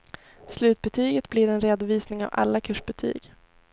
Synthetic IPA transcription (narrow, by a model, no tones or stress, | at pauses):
slʉ̟ːt̪̚bɛt̪ʰyːɡət̪blɪɾɛnɾeːd̪ʊviːsnɪŋa̰va̰lːakʰɵːʂbɛt̪ʰy̰ːɡ